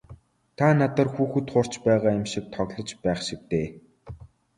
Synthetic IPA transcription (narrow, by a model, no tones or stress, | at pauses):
t̪ʰanat̪ə̆rxuːxɘ̆t̪χʊr̥t͡ɕpæːʁaːɪmʃik̚t̪ʰɔɣʲɮɞ̆t͡ɕpæːχʃɪk̚t̪eː